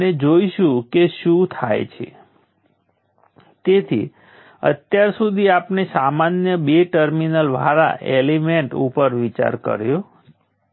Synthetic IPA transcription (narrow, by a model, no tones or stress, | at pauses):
ned͡ʒoiʃũkeʃũt̪ʰajt͡ʃʰḛ | t̪et̪ʰḭ | ə̰t̪jaɾsud̪ʱiapnesamanjəbeʈəɾminəlʋʱa̰ɾa̰ʔelimeɳʈṵpəɾʋit͡ʃa̰ɾkə̰ɾjo